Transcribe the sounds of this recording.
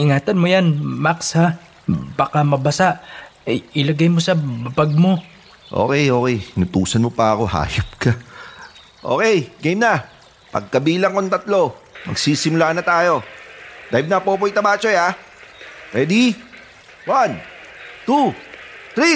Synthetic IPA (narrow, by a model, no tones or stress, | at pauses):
ʔɪŋaːt̪ɐnmojanmaksha | bakamɐbɐsaʔ | ʔɪlɐɡajmosɐbɐbɐɡ̚mo̞ | ʔo̰ːkɛjo̞ːkɛjhɪnʊt̪uːsɐnmopɐɐko̞ha̰ːjop̚kɐ | ʔo̞̰ːkɛjɡejmnɐ | pɐ̰ɡ̚kɐbiːlɐŋkont̪ɐt̪lo̞mɐ̰ɡsiːsɪmʊlaːnɐt̪aːjo̞d̪̥ajbnɐpoːp̬ojt̪ɐbaːt͡ʃoja | pɛd̪i | wan | t̪ut̪ɾi